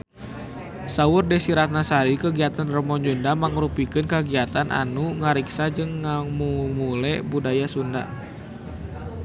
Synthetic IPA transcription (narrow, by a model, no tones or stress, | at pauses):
saʊrdɛsiɾat̪̚nasaɾikəɡiat̪anrɔmɔɲd͡ʒundamaŋɾupikɨnkəɡiat̪anʔa̰nuŋaɾiksad͡ʒɨŋːamumulɛbudajasunda